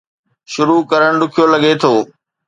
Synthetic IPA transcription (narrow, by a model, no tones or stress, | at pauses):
ʃʊɾukɐɾəɽ̃ɗʊkʰijolɐɠet̪ʰoː